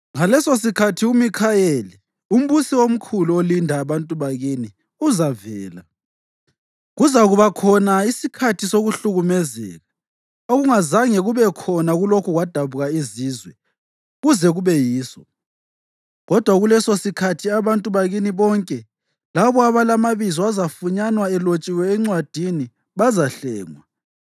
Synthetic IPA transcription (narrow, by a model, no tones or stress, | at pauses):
ŋalɛsos̬ikʰatʰiumikʰajeli | um̩βusiwom̩kʰuluolindʱaːβantʼuβaɣini | uzavɛːla | ɣuzaɣuβakʰɔnaisikʰatʰisoɣuɬuɣumɛzɛ̰ɣa | oɣuŋazaŋɛɣuβɛkʰɔnaɣulokʰuɣwad̥ʱaβuɣaiziːzwɛ | ɣuzɛɣuβɛjiːsɔ | ɣɔd̥ʱwaɣulɛsosikʰatʰiaβantʼuβaɣiniβɔŋkʼɛ | laβɔaβalamaβizɔazafuɲanwaɛlot͡ʃʼiwɛːŋ͡ǀwad̥ʱini | βazaɬɛːŋwa